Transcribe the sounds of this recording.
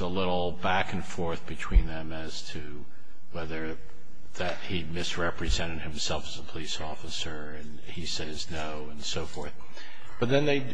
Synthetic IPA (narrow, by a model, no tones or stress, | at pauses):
əlɪɾl̩ˠbækn̩fɔɹθb̥ɨtʰw̥ĩnðɨ̃mɨz̥tʰɨ | wɛðə˞ | ðɨt̚himɪsɹɛpɹɨzɛ̃ɾ̃ɨd̚hɨ̃msɛlˠfəzəpʰəlisɔfəsə˞ɨ̃n | isɛznoʊə̃nsoʊfɔɹθ | b̥ʌt̪̚ðɨ̃nðeɪ